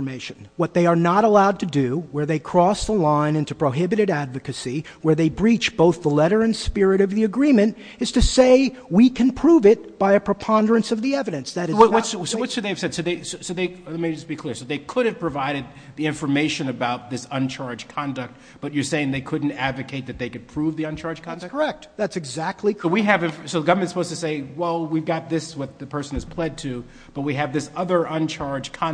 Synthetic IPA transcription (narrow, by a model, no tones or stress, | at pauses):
meɪʃɨ̃n̩wʌt̪̚ðeɪə˞nəɾəlaʊd̚tʰɨdɨwə˞ðeɪkʰɹ̥ɔsðəlãɪ̃nɪ̃ntupʰɹ̥oʊɦɪbɨɾɨɾædvɨkɨsi | wə˞ðeɪbɹit͡ʃb̥oʊθðəlɛɾə˞ɨ̃nspɪɹɨɾʌvðiɨɡɹĩmɨ̃nt | ɨz̥tʰɨseɪwikʰɨ̃npʰɹ̥uvɪt̚b̥aɪɨpʰɹ̥ɨpʰɑ̃ndə˞ɨ̃nsʌvðiɛvɨɾɨ̃nsðɨɾɨzzwʌtssoʊwʌtsɨðeɪɨv̥sɛd̥soʊðeɪsoʊsoʊðeɪɛt̚meɪd͡ʒʌsb̥ikʰl̥ɪɹsoʊðeɪkʰʊɾɨv̥pʰɹ̥ɨvaɪɾɨd̪̚ðiɪ̃ɱfə˞meɪʃɨ̃nɨbaʊt̪̚ðɪsʌ̃nt͡ʃʰɑɹdd͡ʒkʰɑ̃ndɨk̚t̚ | b̥ʌt͡ʃə˞seɪɪ̃ŋðeɪkʰʊdⁿn̩tædvɨkʰeɪt̪̚ðɨt̪̚ðeɪkɨd̚pʰɹ̥uvðiə̃nt͡ʃʰɑɹd͡ʒkʰɑ̃ndɨə˞ɛk̚tðætsɨɡzæk̚tʰˡliwiɨvɪ̃nfsoʊðəɡʌvə˞mɨ̃nsəpʰoʊz̥tʰɨseɪwɛlˠwivɡɑt̪̚ðɪswʌt̪̚ðɨpʰɜ˞sɨ̃nɨz̥pʰl̥ɛd̚tʰʉ | b̥ʌt̚wiɨvðɪsʌðə˞ʔʌ̃nt͡ʃʰɑɹd͡ʒkʰɑ̃